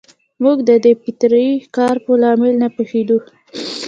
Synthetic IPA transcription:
muɡd̪əd̪epit̪ɾəjikɑɾpəlɑmɪlnapəxed̪u

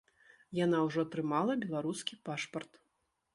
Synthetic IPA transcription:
janawʐɔt̪ɾɨmalˠɐbʲɛlˠaɾuskʲipaʂpɐrt̪

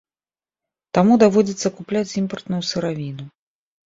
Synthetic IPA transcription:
t̪amud̪avɔd͡zʲit̪sːɐkuplʲat͡sʲimpɐrt̪nujusɨɾavʲinu

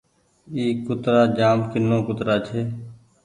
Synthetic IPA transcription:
iːkːʊt̪ɾaːd͡ʒaːmkɪnːõːkʊt̪ɾaːt͡ʃʰeː

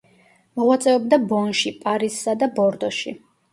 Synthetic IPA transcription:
mɔʁwat̪sʼɛɔbd̪abɔnʃipʼaɾissad̪abɔɾd̪ɔʃḭ

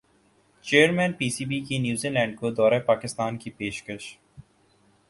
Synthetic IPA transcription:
t͡ʃeːəɾmɛ̃ːnpiːsiːbikinjuːziːlɛ̃ːɳɖ̚kod̪ɔːɾapaːkɪst̪aːnkipeːʃkəʃ

